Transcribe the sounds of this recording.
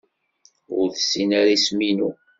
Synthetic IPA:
ʊ̰ɾθəsːinaɾisminu

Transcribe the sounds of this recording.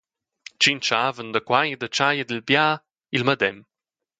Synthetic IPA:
t͡ʃint͡ʃavənd̪əkwajəd̪ət͡ʃajəd̪əlbja | ilməd̪ɛm

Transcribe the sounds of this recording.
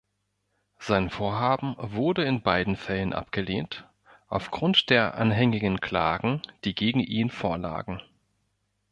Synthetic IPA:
z̥aɪnfoːɐɦaːbm̩vʊɐdəɪnbaɪdn̩fɛlənʔa̰pɡ̥əleːnt | ʔaʊfɡ̥ʁʊntd̥eːɐʔa̰nɦɛŋɪɡən̩kʰl̥a̰ːɡŋ̩d̥iːɡeːɡŋ̩ʔiːnfoːɐla̰ːɡŋ̩

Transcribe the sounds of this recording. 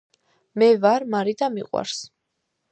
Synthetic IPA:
mɛvaɾmaɾid̪amiqʼwa̰ɾs

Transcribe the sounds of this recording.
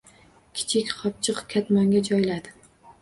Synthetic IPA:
kʲʰɪ̥t͡ʃʰɪkʲχɒp̚t͡ʃʰɨqkʲʰat̪mɒŋɡʲad͡ʒɒjlad̪ɪ

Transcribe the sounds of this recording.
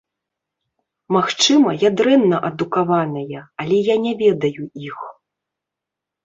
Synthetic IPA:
maxt͡ʂɨmɐjad̪ɾɛnːɐʔɐd̪ukavanɐjɐalʲɛjanʲɛvʲɛd̪ɐjuix

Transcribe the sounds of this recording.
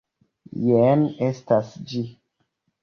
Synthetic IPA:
jenestasd͡ʒi

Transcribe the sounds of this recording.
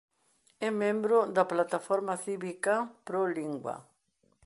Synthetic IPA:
ɛmẽmbɾʊd̪aplat̪afɔɾmaθiβikapɾoliŋɡwɐ̰

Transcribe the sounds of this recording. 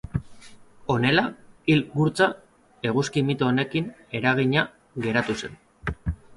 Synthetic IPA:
o̞ne̞lailɡuɾt͡sa | e̞ɣ̞uskimit̪oːne̞kine̞ɾaɣ̞iɲa | ɣe̞ɾat̪use̞̰n

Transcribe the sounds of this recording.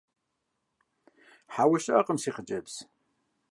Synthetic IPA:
ħaːwʊɕɐɐqəmsiːχət͡ʃʼɐbs

